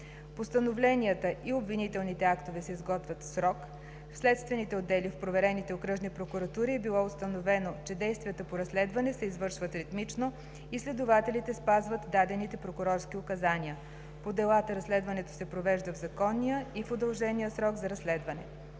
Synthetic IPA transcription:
post̪ənovlɛniət̪əʔiobvinit̪ɛlˠnit̪ɛakt̪ovɛsɛizɡɔt̪vʲət̪sɾɔk | fslɛt̪st̪vɛnit̪ɛod̪ːɛlifpɾovɛɾɛnit̪ɛokɾɤʒnipɾokʊɾɐt̪uɾiɛbilˠɔʊst̪ənovɛnot͡ʃɛd̪ɛjst̪vʲijət̪əpoɾɐslɛd̪vɐnɛsɛizvɤɾʃvət̪ɾit̪mit͡ʃno | islɛd̪ʊvat̪ɛlit̪ɛspazvət̪d̪ad̪ɛnit̪ɛpɾokʊɾɔɾsk̟iʊkɐzaniə | pod̪ɛlˠat̪əɾɐslɛd̪vɐnɛt̪o̥sɛpɾovɛʒd̪əvzɐkɔnːijəifod̪ɐlˠʒɛnijəsɾɔɡzɐɾɐslɛd̪vɐnɛ̰

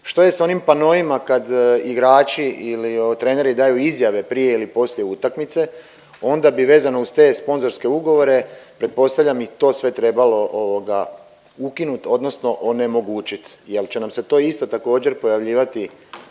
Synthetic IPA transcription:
ʃt̪o̞je̞sao̞nimpano̞imakad̪iɡɾaːt͡ʃiiliot̪ɾe̞ːne̞ɾid̪aːjuizjaʋe̞pɾije̞ilipo̞sljeut̪akmit̪se̞ | o̞nd̪abiʋe̞ːzano̞ust̪e̞ːspo̞nzo̞ɾske̞uɡo̞ʋo̞ɾe̞pɾe̞t̪̚po̞st̪aʋʎamit̪o̞ːsʋe̞t̪ɾe̞balo̞ʔoʋoɡa | ukinut̪o̞d̪no̞sno̞ʔone̞mo̞ɡuːt͡ʃit̪jelt͡ɕe̞namse̞t̪o̞ːist̪o̞t̪ako̞ːd͡ʑe̞ɾpo̞jaʋʎiːʋat̪i

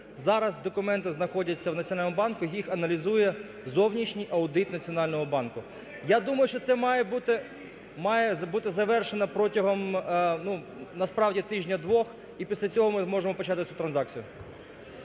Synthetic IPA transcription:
zɑɾɐzd̪ɔkʊmɛnt̪ɪznɐxɔdʲɐt͡sʲːɐwnɐt͡sʲɔnɑlʲnɔmbɑnkʊjjixɐnɐlʲizujɛ | zɔwnʲiʃnʲijʔɐʊd̪ɪt̪nɐt͡sʲiɔnɑlʲnɔɦɔbɑnkʊ | jad̪umɐjʊʃt͡ʃɔt̪sɛmɑjɛbut̪ɪ | mɑjɛbut̪ɪzɐʋɛrʃenɐpɾɔtʲɐɦɔmnu | nɐspɾɑwdʲit̪ɪʒnʲɐd̪ʋɔx | ipʲisʲlʲɐt͡sʲɔɦɔmɪmɔʒemɔpɔt͡ʃɑt̪ɪt͡sʲut̪ɾɐnzɑk̚t͡sʲijʊ

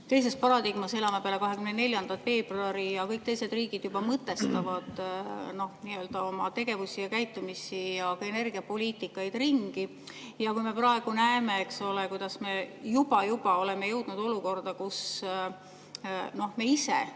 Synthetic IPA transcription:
t̪e̞js̬e̞spɑɾɑd̪iɡ̥mɑse̞lɑmepeælekɑɦe̞kymnene̞lʲjɑnd̪ɑt̪fe̞ːb̥ruɑɾijɑkɤjk̚t̪ejsed̪riːɡ̥id̪̥jubɑmɤt̪ːˑe̞st̪ɑvɑd̪̥no̞hniːø̞ːld̪̥ɑo̞mɑt̪e̞ɡ̥e̞vusijɑkæjt̪ːˑumisijɑkɑe̞ne̞rɡ̥iɑpo̞lʲiːt̪ːˑikːˑɑjd̪̥riŋɡ̥i | jɑkujme̞prɑe̞ɡ̥unæeme̞ekso̞le̞kujd̪ɑsme̞jub̥ɑjub̥ɑo̞le̞me̞jɤwd̪̥nud̪̥o̞luko̞rd̪ɑkus | no̞hmeisḛ

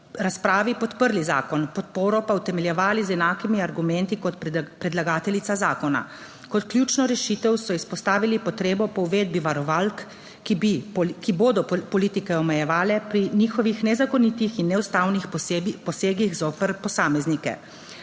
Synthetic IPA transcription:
ɾaspɾaːʋipɔt̪pəɾliza̰ːkɔnpɔt̪̚poːɾɔpawt̪ɛmɛljɛʋaːlizɛnaːkimiaɾɡumɛnt̪ikɔt̪pɾɛd̪laɡaːt̪ɛlit̪sazaːkɔna̰ | kɔt̪klʲjuːt͡ʃnɔɾɛʃiːt̪ɛwsɔispɔst̪aːʋilipɔt̪ɾeːbɔpɔwʋeːd̪̚biʋaɾɔʋalkː | ibikiboːd̪ɔpɔliːt̪ikɛɔmɛjɛʋaːlɛpɾiniːxɔʋixnɛzakɔnit̪ixinːɛwst̪aːwnixpɔseːɡiɣzoːpəɾpɔsaːmɛznikɛ̰

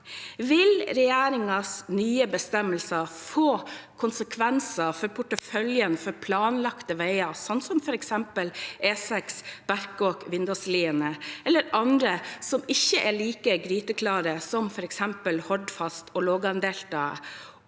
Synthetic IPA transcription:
ʋɪlɾɛjæːɾɪŋɑsnyːəbəst̪ɛmːəlsɑfoːkʰʊnsəkʰʋɛnsɑfɔɾpʰʊʈəfœljənfɔɾpʰlɑːnlɑkt̪əʋæɪɑsɑnt̪sɔmfɔɾɛksɛmpəlʔeːsɛksb̥æɾkokʋɪnd̪ɑsliːənəʔɛlːəɾɑnd̪ɾəsɔmɪçːəʔæɭiːkəɡɾyːt̪əkʰlɑːɾəsɔmfɔɾɛksɛmpəlhɔɖfɑst̪ʰɔloːɡɑnd̪eːlt̪ɑːə̰

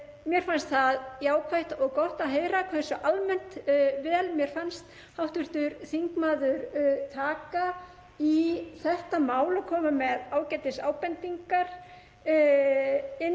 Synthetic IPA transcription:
mjɛɾ̥fanst̪θaðjaːwkʰvajht̪ɔɣkɔht̪aɦeːjɾakʰvaɪnsɔʔalmɛn̥t̪vɛːlmjɛɾ̥fanst̪ | hawht̪vɪɾ̥t̪ʏɾθiŋkmaːðʏɾt̪ʰaːka | iθɛht̪amaːwlɔkʰɔːmamɛðaːwcɛjt̪ɪsaːwpɛnt̪iŋkaɾ̥ | ɪ

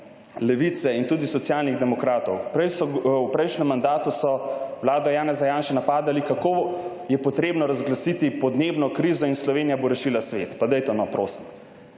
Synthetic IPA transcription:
lɛʋit̪sɛint̪uːd̪isɔt̪sjaːlniɣd̪ɛmɔkɾaːt̪ɔwpɾɛjsɔpɾɛjʃnɛmːand̪aːt̪usɔwlaːd̪ɔjaːnɛzajaːnʃɛnapaːd̪alikako | jɛpɔt̪ɾeːbnɔɾazɡlasit̪ipɔd̪neːbnɔkɾizɔinslɔʋeːnijaboɾɛʃilasʋḛt̪pad̪ɛjt̪ɛnɔpɾoːsi̥m

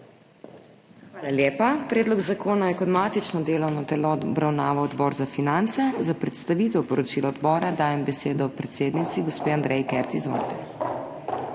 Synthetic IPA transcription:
xʋaːlaljeːpapɾɛːd̪lɔɡzakoːnajɛkɔd̪maːt̪it͡ʃnɔd̪eːlɔwnɔt̪ɛlɔbɾawnaːʋɔɔd̪bɔːɾzafinant̪sɛzapɾɛt̪st̪aʋit̪ɛwpɔɾɔt͡ʃilɔɔd̪bɔːɾad̪aːjɛmbɛseːd̪ɔpɾɛt̪seːd̪nit̪siɡospeːand̪ɾɛjikɛɾt̪izɔ̰ɾt̪ɛ

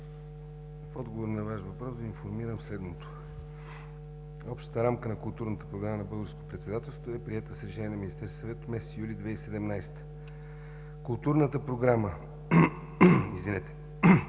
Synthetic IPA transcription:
fɔd̪ɡovoɾnɐvaʃvɐpɾɔszd̪ɐinfoɾmiɾəmslɛd̪not̪o̥ | ɔpʃt̪ə̥t̪əɾamkənɐkʊlˠt̪uɾnət̪ə̥pɾoɡɾamənɐbɤlˠɡəɾskot̪pɾɛt̪sɛd̪at̪ɛlˠst̪voɛpɾiɛt̪əsɾɛʃɛniɛnɐminist̪ɛɾsɐvɛt̪mɛsɛt̪ijulʲid̪vɛisɛd̪ɛmnajst̪ə̥ | kʊlˠt̪uɾnət̪əpɾoɡɾamə | izvinɛt̪ɛ̥

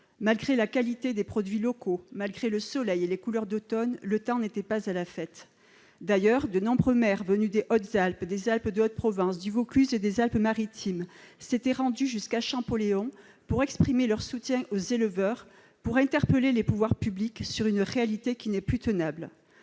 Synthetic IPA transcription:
malɡʁelakalit̪ed̪epχɔd̪ɥilɔkomalɡʁeləsɔlɛjelekulœʁd̪ot̪ɔnlət̪ɑ̃net̪ɛpazalafɛt̪ | d̪ajœʁd̪ənɔ̃bʁəmɛʁvənyd̪eʔɔt̪zalpd̪ezalpd̪əɔt̪̚pχɔvɛ̃sd̪yvɔkyzed̪ezalpmaʁit̪ʰimset̪ɛʁɑ̃d̪yʒyskaʃɑ̃pɔleɔ̃ | puʁɛkspχimelœʁsut̪jɛ̃ʔozeləvœʁ | puʁɛ̃t̪ɛʁpəlelepuvwaʁpybliksyʁynʁealit̪ekʲinɛplyt̪ənabl

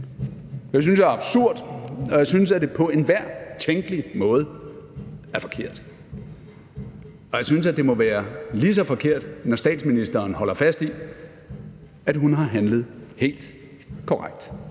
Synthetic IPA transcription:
jɑ̈ɪs̬ynsjɑɑ̈b̥suɐ̰d̥ɒ̽jäɪsynsæd̥e̝pʰɒ̽e̝nʋæɐ̰t͡sʰeŋɡ̥əlimɔ̽ːð̞ˠ | æɐfɒ̽kʰe̝ɐ̰d̥ | ɒ̽jaɪsynsæd̥e̝mɒ̽ʋæːɐlis̬ɒ̽fɒ̽kʰe̝ɐ̰d̥nɒsd̥ɛ̰ːd̥sminisd̥ɐːnɦɒ̽l̰ɐfæsd̥i | æd̥ɦunɦɑ̈ɦænləð̩ˠhe̝̰ːld̥ | kʰɒʁaɡ̥̚d̥

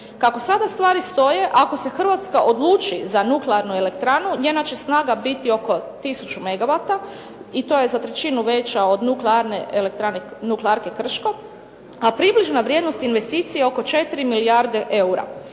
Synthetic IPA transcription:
kako̞sad̪ast̪ʋaːɾist̪o̞je̞ʔako̞se̞xr̩ʋat̪skaʔo̞d̪lˠuːt͡ʃizanukleaɾnuele̞kt̪ɾanuɲenat͡ʃe̞snaːɡabit̪io̞ko̞t̪isut͡ʃume̞ɡaʋat̪a | it̪o̞je̞zat̪ɾe̞t͡ɕinuʋe̞t͡ʃao̞d̪nukleaɾneʔelekt̪ɾanenukleaɾke̞kr̩ʃko̞ | apɾibliʒnaʋɾje̞d̪no̞st̪inʋest̪iːt̪sijeo̞ko̞t͡ʃe̞t̪iɾimiliaɾd̪e̞ʔeuɾa̰

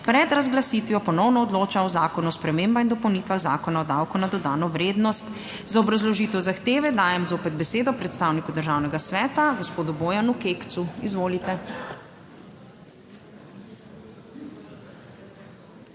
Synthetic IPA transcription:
pɾɛd̪ɾazɡlasiːt̪ʋjɔpɔnɔwnɔːd̪loːt͡ʃaɔzaːkɔnuɔspɾɛmembaind̪ɔpɔwniːt̪ʋaɣza̰ːkɔnaɔd̪awkɔnad̪ɔd̪aːnɔʋɾeːd̪nɔst̪ | zaɔbɾazlɔʒiːt̪ɛwzaxt̪eːʋɛd̪aːjɛmzoːpɛd̪̚bɛseːd̪ɔpɾɛt̪st̪aːwnikud̪əɾʒawnɛɡasʋɛːt̪aɡɔspoːd̪uboːjanukeːkt̪suizʋoːlit̪ɛ

